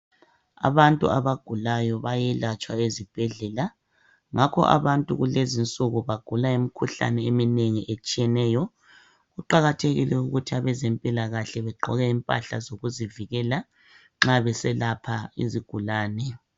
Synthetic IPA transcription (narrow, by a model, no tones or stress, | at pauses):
a̰βantʼṵa̰βaɡ̥ʱulajɔβajɛlat͡ʃʼwaezib̥ʱɛɮɛla | ŋʔakʰɔ̰ʔa̰βantʼṵɣulezint͡sʼuɣuβaɡ̥ʱulaimikʰuɬa̰nɛemineŋiʔet͡ʃʼijɛnɛːjɔ | ɣuǃaɣatʰeɣḭlɛuɣutʰiaβɛzempʼilaɣaɬɛβɛɡ͡ǃʱɔɣɛimpʼa̰ɬa̰zoɣuziviɣɛla | ŋ͡ǁaβɛsɛlapʰaḭziɡ̥ʱulaːnɛ